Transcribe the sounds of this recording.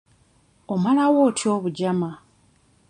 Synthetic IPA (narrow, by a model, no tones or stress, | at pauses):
o̞malawo̞ːtʰio̞ːβuɟama